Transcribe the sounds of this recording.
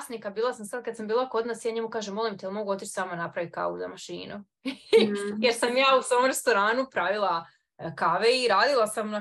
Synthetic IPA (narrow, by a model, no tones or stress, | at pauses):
snikabiːlˠasamsad̪̚kad̪sambiːlˠako̞d̪nasjaːɲemukaːʒemo̞limt̪eɛelimo̞ɡuo̞t̪it͡ʃsaːmanapɾaʋit̪̚ka̰ʋṵzamaʃḭːnu | jeɾsamjaːusomɾe̞st̪o̞ɾaːnupɾaʋilˠa | kaʋeiɾaːd̪ilˠasamn